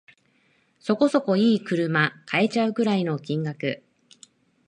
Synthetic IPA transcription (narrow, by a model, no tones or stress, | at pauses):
so̞ko̞so̞ko̞iːkɯ̟ɾɯ̟makʰae̞t͡ɕaɯ̟kɯ̟ɾaino̞kʲĩŋɡakɯ̟